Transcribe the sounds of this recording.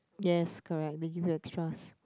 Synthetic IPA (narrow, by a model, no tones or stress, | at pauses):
jɛskʰɔɹɛk̚deɡivjuɛkspɹas